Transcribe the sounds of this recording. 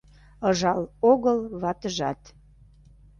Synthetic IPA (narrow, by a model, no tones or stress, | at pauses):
əʒɑloɣəlβɑt̪əʒɑt̪